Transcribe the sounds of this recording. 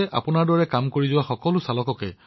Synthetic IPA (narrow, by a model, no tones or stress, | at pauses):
ɛʔa̰pʊnaɹdɔɹɛkamkoɹizʊwaxɔkɔlʊsalɔkɔkɛ̰